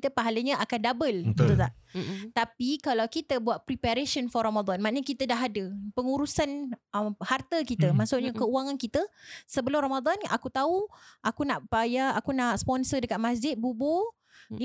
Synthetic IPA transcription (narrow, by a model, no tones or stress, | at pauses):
t̪əpaɦaləɲə̃ʔakandabəlkt̪ut̪aʔt̪apikalawkit̪əbuat̪̚pɾipaɾesənfɔramad̪ɔnmaʔɲəkit̪ədaɦadəpəŋuɾusanhart̪əkit̪əmaʔsʊʔɲakəuaŋankit̪əsəbəlʊmramad̪ɔna̰kut̪auʔakunaʔpajaakunaʔspɔnsədəkat̪̚masd͡ʒɪt̪̚bubo